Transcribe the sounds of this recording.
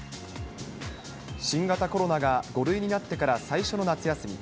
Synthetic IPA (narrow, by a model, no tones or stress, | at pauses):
ɕĩŋɡat̪ako̞ɾo̞naɡaɡo̞ɾɯ̟iɲ̟inat̪ːe̞kaɾasaiɕo̞no̞nat͡sɨjasɨmʲḭ